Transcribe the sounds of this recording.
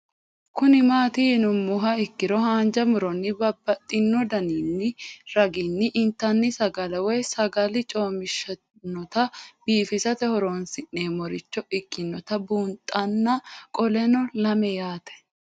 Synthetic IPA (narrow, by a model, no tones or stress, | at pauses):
kʊnɪmaːt̪iːnʊmːʊɦɐɪkːɪɾɔhaːnd͡ʒɐmʊɾɔnːɪbɐbːɐt̪ʼːɪnːɔd̪ɐniːnːɪɾɐɡɪnːɪʔːnt̪ːɐnːɪsɐɡɐlɐwɔjsɐɡɐlɪt͡ʃʼo̞ːmɪʃɐ | nːɔt̪ɐb̥iːfɪsɐt̪ɛhɔɾoːnsɪnːeːmɔɾɪt͡ʃːɔɪkʼːɪnːɔt̪ɐbuːnt̪ʼɐnːɐkʼɔlɛnɔlɐmɛjaːt̪ɛ̥